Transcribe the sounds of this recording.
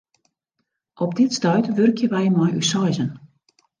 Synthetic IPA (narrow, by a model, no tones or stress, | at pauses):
ʔɔp̚dɪtstœɥtʋørkjəʋɛjmɔjysɔjzən